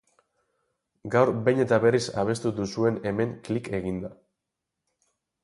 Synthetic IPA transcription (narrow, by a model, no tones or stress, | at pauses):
ɡawɾbejɲe̞t̪aβe̞risa̰β̞e̞st̪uðusue̞ne̞me̞ŋklike̞ɣind̪a